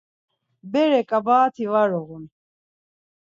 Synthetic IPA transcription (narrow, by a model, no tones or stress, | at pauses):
bɛɾɛkʼabaːt̪ʰivaɾɔɣun